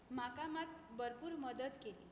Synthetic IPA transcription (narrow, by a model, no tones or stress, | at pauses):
makamat̪bəɾpuɾməd̪əd̪kelḭ